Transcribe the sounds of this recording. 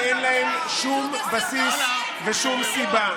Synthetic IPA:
enlahe̞mʃum | basis | veʃumsiba

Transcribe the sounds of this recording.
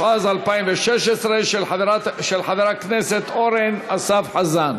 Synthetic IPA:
ʔazalpajimveʃɛʃesɾeaʃelħad̪aɾakneset̪ʔoɾenʔasafħazan

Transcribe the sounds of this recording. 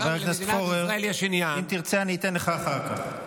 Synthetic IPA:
beʁaknaskoʁeʁliaʃinjaimt̪iʁt͡seaniːt̪enleχaːχaʁka̰χ

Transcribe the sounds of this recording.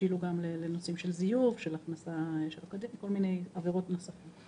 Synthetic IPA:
iluɡamlelenosimʃe̞lzijuvʃelaχnasaʃelakod̪imko̞lmine̞javeʁo̞tno̞safim

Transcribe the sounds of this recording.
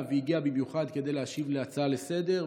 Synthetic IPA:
veiɡiabimjuχad̪ke̞d̪ejleaʃivleat͡saale̞se̞de̞ʁ

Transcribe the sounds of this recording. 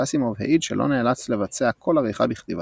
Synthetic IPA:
asimovheʔidʃḛlʔo̰neːlat͡sle̞vat͡seakʰo̞lavejχa̰biχt̪iva

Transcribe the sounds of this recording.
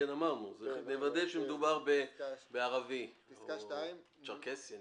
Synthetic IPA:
enamaʁnuzenevad̪eʃemed̪ubaʁbebeaʁavi | t͡ʃaʁkesje

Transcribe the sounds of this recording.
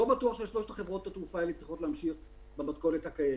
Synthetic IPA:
obatuaχʃeʃloʃt̪aχe̞vʁo̞t̪hat̪ʁufaelet͡sʁiχo̞tlehamʃiχ | bematko̞lethakaje

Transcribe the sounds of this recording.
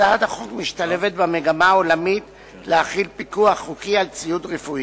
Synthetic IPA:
ad̪aχokmiʃt̪ale̞vet̪̚bemeɡamaːolamit̪ | leaχilpikuaχːukialt͡sijut̪ʁefui

